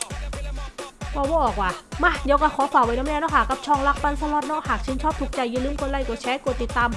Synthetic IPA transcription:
bɔː˧˩bɔː˧˩ʔɔː˨˩k̚waː˧˩ma˧˩diː˧wkaː˧˩kʰɔː˨˦kʰaː˨˩wa˧jnɔ˧˥˦ɛ˧nɔː˦˥˩haː˨˩kːa˧˩p̚t͡ɕʰɔː˧ŋla˦˧˥k̚pa˧˨nsa˧lɔ˧˥t̪̚nɔː˦˧˥haː˨˩k̚t͡ɕʰɯː˧˥˦nt͡ɕʰɔː˥˩p̚t̪u˨˩k̚t͡ɕa˧jːɯː˧˨lɯː˧˥˩mkʰo˧nla˧˨jkɔː˧˩t͡ɕʰɛː˦˥ku˧˩t̪i˨˩t̪ːaː˧m

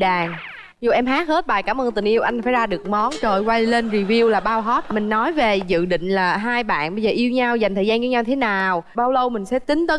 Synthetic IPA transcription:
ɗaː˨˩ŋ | zu˨˩ʔɛ˧mɦaː˦˥k̚he˦˥t̚ɓaː˨˩jkaː˨˦mʔəː˧nt̪ï˨˩ŋ̟ʔi˧əwʔa˧jŋ̟faː˧˩jzaː˧ɗɨ˨˩ək̚mɔ˨˦nt͡ɕə˧˩jwa˧jle˧nzi˧˩vi˧wlaː˨˩ɓaː˧wɦɔ˦˥t̚mï˨˩ŋ̟nɔ˨˦jve˨˩zɨ̰˧˨ɗḭ̈˧˨ŋ̟laː˨˩ɦaː˧jɓa̰ː˧˨nɓə˧zəː˨˩ʔi˧əwɲa˧wza˨˩ŋ̟t̪ʰəː˨˩zaː˧nvi˨˦ɲaː˧wt̪ʰe˨˦naː˨˩wɓaː˧wlə˧wmï˨˩ŋ̟sɛ̰˧˥t̪ï˨˦ŋ̟t̪əː˨˦

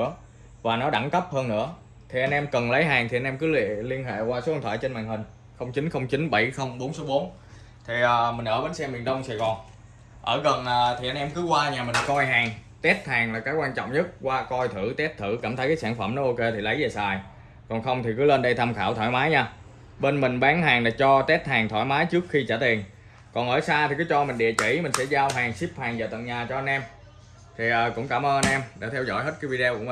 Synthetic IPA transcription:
ɨ˧˥ə | vaː˨˩nɔ˨˦ɗa˧˩ŋkə˦˥p̚həː˧nːɨ̰˧˥ə | t̪ʰi˨˩ʔa˧nʔɛ˧mkə˨˩nlə˨˦jɦaː˨˩ŋt̪i˨˩ʔa˧nʔɛ˧mk̬ɨ˨˦lḭ˧˨əli˧ənɦḛ˧˨kwaː˧so˨˦˧nt̪ʰa̰ː˧˩t͡ɕe˧nmaː˨˩ŋhï˨˩ŋ̟ | xə˧wŋ͡mt͡ɕï˨˦ŋ̟xə˧wŋ͡mt͡ɕï˨˦ŋ̟ɓə˧˩jxə˧wŋ͡mɓo˨˦nso˨˦wɓo˨˦n | t̪ʰi˨˩ʔəː˨˩mï˨˩ŋ̟ʔəː˧˩ɓe˨˦nsɛ˧mɓi˨˩ənɗə˧wŋ͡msaː˨˩jɣɔ˨˩n | ʔəː˧˩ɣə˨˩naː˨˩t̪ʰi˨˩ʔa˧nʔɛ˧mkɨ˨˦kwaː˧ɲaː˨˩mï˨˩ŋ̟kɔ˧jɦaː˨˩ŋ | t̪ɛ˦˥t̚haː˨˩ŋlaː˨˩kaː˨˦jkwaː˧nt͡ɕɔ̰˧˨wŋ͡mɲə˦˥t̚kwaː˧kɔ˧jt̪ʰɨ˧˩t̪ɛ˦˥t̚t̪ʰɨ˧˩kaː˧˩mt̪ʰə˨˦jkaː˨˦saː˧˩ŋfə˧˩mnɔ˨˦ʔo˧ke˧t̪ʰi˨˩lə˨˦jze˨˩saː˨˩j | kɔ˨˩nxə˧wŋ͡mt̪ʰi˨˩kɨ˨˦le˧nɗə˧jt̪ʰa˧mxaː˧˩wt̪ʰɔ˧˩jmaː˨˦jɲaː˧ | ɓe˧nmï˨˩ŋ̟ɓaː˨˦ŋɦaː˨˩ŋlaː˨˩t͡ɕɔ˧t̪ɛ˦˥t̚haː˨˩ŋt̪ʰɔ̰˧˩jmaː˨˦jt͡ɕɨ˦˥ək̚xi˧t͡ɕəː˧˩t̪i˨˩ən | kɔ˨˩nʔəː˧˩saː˧t̪ʰi˨˩kɨ˨˦jt͡ɕɔ˧mï˨˩ŋ̟ɗḭ˧˨ət͡ɕi˧˩mï˨˩ŋ̟sɛ̰˧˥zaː˧wɦaː˨˩ŋsi˦˥p̚haː˨˩ŋzaː˨˩t̪ə̰˧˨nɲaː˨˩t͡ɕɔ˧ʔnʔɛ˧m | t̪ʰi˨˩ʔəː˨˩kʊ̰˧˥ŋ͡mkaː˧˩mʔəː˧ʔa˧nʔɛ˧mɗe˧˩t̪ʰɛ˧wzɔ̰˧˩jhɦe˦˥t̚kaː˨˦jvi˧ɗe˧ku˧˩ə˨˩

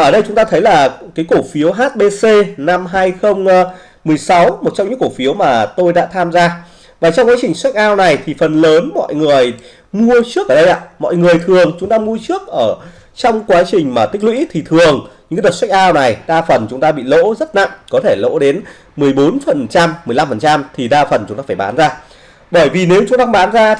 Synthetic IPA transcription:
ʔəː˧˩ɗə˧jt͡ɕʊ˨˦ŋ͡mt̪aː˧t̪ʰə˨˦jlaː˨˩kaː˨˦jko˧˩fi˨˦əwɦaː˦˥t̚ɓe˧se˧na˧mɦaː˧jxə˧wŋ͡m | mɨ˨˩əjsa˨˦wmo˨˩t̚t͡ɕɔ˧ŋ͡mɲɨ̰˧˥ŋko˧˩fi˨˦əwmaː˨˩t̪o˧jɗa̰ː˧˥t̪ʰaː˧mzaː˧ | vaː˨˩t͡ɕɔ˧wŋ͡mkwaː˨˦t͡ɕï˨˩ŋ̟swa˦˥k̟̚ʔaː˧wna˨˩jt̪ʰi˨˩fə˨˩nləː˨˦nmɔ̰˧˨jŋɨ˨˩əj | mu˧ət͡ɕɨ˦˥kʔəː˧˩ɗə˧jʔa̰ː˧˨mɔ̰˧˨jŋɨ˨˩əjt̪ʰɨ˨˩əŋt͡ɕʊ˨˦ŋ͡mt̪aː˧mu˧ət͡ɕɨ˦˥ək̚ʔəː˧˩ | t͡ɕɔ˧wŋ͡mkwaː˨˦t͡ɕï˨˩ŋ̟maː˨˩t̪ï˦˥k̟̚lwḭ˧˥t̪ʰi˨˩t̪ʰɨ˨˩əŋɲɨ̰˧˥kaː˨˦ɗə˨˩t̚swa˦˥jk̚ʔaː˧wna˨˩jɗaː˧fə˨˩nt͡ɕʊ˨˦ŋ͡mt̪aː˧ɓḭ˧˨lo̰˧˥zə˦˥t̚na̰˧˨ŋkɔ˨˦t̪ʰe˧˩lo̰˧˥ɗe˨˦n | mɨ˨˩əjɓo˨˦nfə˨˩nt͡ɕa˧mː˨˩əjla˧mfə˨˩nt͡ɕa˧mt̪ʰi˨˩ɗaː˧fə˨˩nt͡ɕʊ˨˦ŋ͡mt̪aː˧faː˧˩jɓa̰ː˨˦nzaː˧ | ɓəː˧˩jvi˨˩ne˨˦wt͡ɕʊ˨˦ŋ͡mt̪aː˧ɓaː˨˦nzaː˧

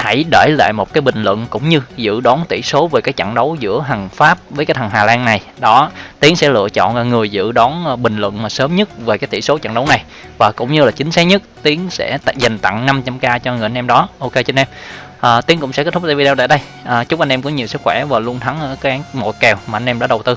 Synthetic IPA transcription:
ha˧˩jɗəː˧˩jla̰ː˧˨jmo˨˩t̚kaː˨˦jɓï˨˩ŋ̟lwə̰˧˨nkʊ̰˧˥wŋ͡mɲɨ˧zɨ̰˧˨ɗɔ˨˦nt̪ḭ˧˩so˨˦veː˨˩kaː˨˦˥j̚t͡ɕə̰˧˨ŋɗə˨˦wzɨ̰˧˥əɦa˨˩ŋfaː˦˥p̚vəː˨˦jkaː˦˥t̪ʰa˨˩ŋɦaː˨˩laː˧nna˨˩j | ɗɔ˨˦t̪i˨˦əŋsɛ̰˧˥lɨ̰˧˨ət͡ɕɔ̰˧˨naː˨˩ŋɨ˨˩əjzɨ̰˧˨ɗɔ˨˦n˧ɓï˨˩ŋ̟lwə̰˧˨nmaː˨˩səː˨˦mɲə˦˥t̚ve˨˩kaː˨˦jt̪i˧˩so˨˦t͡ɕa̰˧˨nɗə˨˦wna˨˩j | vaː˨˩kʊ̰˧˥ŋ͡mɲɨ˧laː˨˩t͡ɕï˨˦ŋ̟sa˨˦˥ɲə˦˥t̚t̪i˨˦əŋsɛ̰˧˥˧za˨˩ŋ̟t̪a̰˧˨ŋna˧mt͡ɕa˧mkaː˧t͡ɕɔ˧ŋɨ˨˩ja˧nʔɛ˧mɗɔ˨˦ʔo˧ke˧jt͡ɕe˧nʔɛ˧m | ʔəː˨˩t̪i˨˦əŋkʊ̰˧˥ŋ͡msɛ̰˧˥kɛ˦˥t̪ʰʊ˥t̪e˧vi˧ɗɛ˧wt̪aː˧˨˩ɗə˧j | ʔːt͡ɕʊ˦˥k͡p̚ʔa˧ŋ̟ʔɛ˧mkɔ˨˦ɲi˨˩wsɨ˦˥k̚xwɛ˧˩vaː˨˩lu˧ənt̪ʰa˨˦ŋʔkə˨˦ʔaː˨˦mo̰˧˨˩jkɛ˨˩wmaː˨˩ʔa˧ŋ̟ʔɛ˧mɗa̰ː˧˥ɗə˨˩wt̪ɨ˧

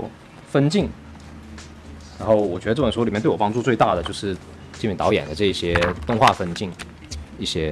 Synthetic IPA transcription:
fə˥nt͡ɕi˥˩ŋ | ɻa˧˥nxo˥˩ʊwɔ˨˩t͡ɕɥɛ˧˥ə˧ʈ͡ʂɤ˥˩˧si˨m˥˧˥ɔ˨pɑ˥ŋ˥ʈ͡ʂu˥˧t͡swe˥˧ɪt̪a˥˩d̪ə˩jo˥˧ʊʂɻ̩˥˩ | t͡ɕi˥˩mi˥˩t̪ɑ˧˥ʊjɛ̰˨˩nd̪ə˦ʈ͡ʂɤ˥˧i˥˩ɕjɛ˥t̪ʊ˥˧ŋxwa˥˩fə˥nt͡ɕi˥˩ŋ | i˥˩ɕjɛ˥

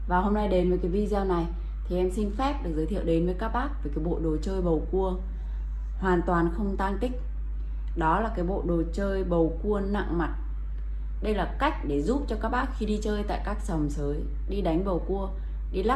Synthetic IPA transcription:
vaː˨˩ho˧mna˧jɗe˨˦nvəː˨˦jkaː˨˦jvi˧zaː˧na˨˩j | t̪ʰi˨˩ʔɛ˧msï˧ŋ̟fɛ˦˥p̚ɗɨ˨˩k̚zəː˨˦t̪ʰwɗe˨˦nvəː˨˦jkaː˦˥k̚ɓaː˦˥k̚və˨˩kaː˨˦jɓo̰˧˨ɗo˨˩t͡ɕəː˧jɓə˨˩wku˧ə | hwaː˨˩nt̪waː˨˩nxə˧wŋ͡mt̪aː˧nt̪ï˦˥k̟̚ | ɗɔ˨˦laː˨˩kaː˨˦jɓo̰˧˨ɗo˨˩t͡ɕəː˧jɓə˨˩wku˧əna̰˧˨ŋma˨˩t̚ | ɗə˧jlaː˨˩ka˦˥jk̟̚ɗe˧˩zu˦˥p̚t͡ɕɔ˧kaː˦˥k̚ɓaː˦˥k̚xi˧ɗi˧t͡ɕəː˧jt̪a̰ː˧˨jkaː˦˥k̚sə˨˩wŋ͡msəː˨˦j | ɗi˧ɗa˨˦jŋ̟ɓə˨˩wku˧ə | ɗi˧la˦˥

